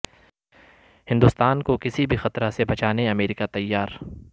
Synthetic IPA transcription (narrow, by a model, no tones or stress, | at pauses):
hɪ̃nd̪ʊst̪aːnkokɪsibʱixɐt̪ɾasebɐt͡ʃaːneɐmeːɾɪkat̪ɐjːaːɾ